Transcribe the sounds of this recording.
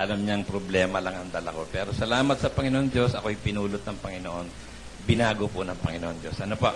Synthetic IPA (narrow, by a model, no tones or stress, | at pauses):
ʔɐlɐmɲɐŋpɾoblɛːmɐlɐŋʔɐŋd̪ɐlɐko̞pɛːɾosɐlaːmɐt̪̚sɐpɐŋɪnoʔoŋd͡ʒo̞sʔɐko̞ɐjpɪnuːlʊt̪̚nɐŋpɐŋɪnoʔo̞n | bɪnaːɡopʊnɐŋpɐŋɪnoʔoŋd͡ʒo̞sʔɐnopoʔ